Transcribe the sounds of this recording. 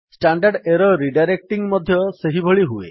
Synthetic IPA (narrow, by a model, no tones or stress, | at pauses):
sʈaɳɖaɖeɾɔɾiɖajɾek̚ʈiŋmɔd̪ʱjɔseɦibʱɔɭiɦuḛ